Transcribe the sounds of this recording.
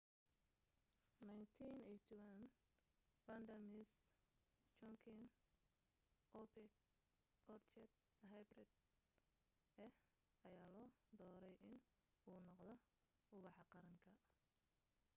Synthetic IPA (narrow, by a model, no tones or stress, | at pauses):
najnt̪ʰinɛjt̪ʰɔwɐn | bɐnd̪ɐmɪs | t͡ʃɔŋkʰɪn | ʔɔpʰɛk̚ | ɔrt͡ʃɛd̪ | ɦajbrɛd̪̚ | ɛh | ɐjaːlɔːd̪ɔːɾɛjɪn | uːnɔqd̪ɔ | ʊβɑħɑqɑɾɐŋkʰɐ